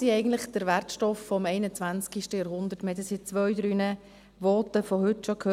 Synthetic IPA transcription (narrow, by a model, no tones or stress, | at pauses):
siɛɪɡən̩tləχd̥əɾʋæɾtʃtɔffɔmɛɪnət͡sʋænt͡skiʃtəjɑɾɦʊnd̪əɾtməhɛt̪əsit͡sʋœɥdɾyːnə | ʋɔːtəfɔhʏtʃɔkʰhøː